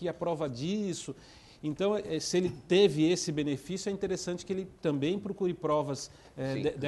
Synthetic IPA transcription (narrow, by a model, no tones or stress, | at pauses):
iɐpɾɔvɐd͡ʒisʊ | ẽnt̪ɐ̃w̃ɛsɪelɪt̪evɪesɪbẽnefisjʊɛĩnt̪eɾesɐ̃nt͡ʃɪ̥kɪelɪt̪ɐ̃mbẽj̃pɾokuɾɪpɾɔvɐz | ɛ̃ɛd̪ɛ